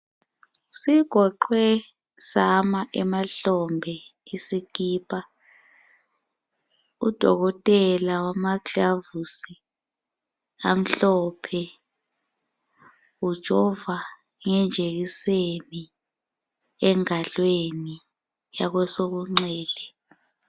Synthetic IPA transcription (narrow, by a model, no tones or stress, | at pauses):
siɡ̥ʱɔǃwɛ | samaʔɛmaɬɔmbʱɛisikiːpʰʼa | ud̥ʱɔ̰ɣɔtʼɛlawamaɡavusi | am̩ɬɔpʰɛ | ud̥ʒ̥ʱɔva | ŋɛnd͡ʒʱeɣiseni | ɛŋalweni | jaɣwɛsoɣuŋ͡ǀɛːlɛ